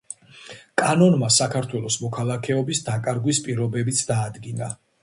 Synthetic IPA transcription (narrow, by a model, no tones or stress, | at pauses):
kʼanɔnmasakʰaɾt̪ʰwɛlˠɔsmɔkʰalˠakʰɛɔbisd̪akʼaɾɡwispʼiɾɔbɛbit̪sʰd̪aːd̪ɡina